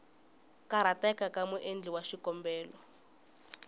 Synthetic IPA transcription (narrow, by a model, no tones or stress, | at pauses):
kaɾatɛkakamuʔend͡ɮiwaʃikɔmbɛːlɔ